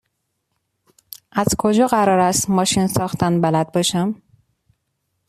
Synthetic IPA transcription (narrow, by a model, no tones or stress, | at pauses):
ʔæzkʰo̞d͡ʒɒːɣæɾɒːɾæst̪mɒːʃinsɒːxt̪ʰænbælæd̪̚bɒʃæm